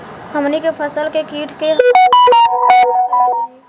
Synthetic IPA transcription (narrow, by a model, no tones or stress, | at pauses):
həmnikepʰəsəlkekiːʈʰkeɦ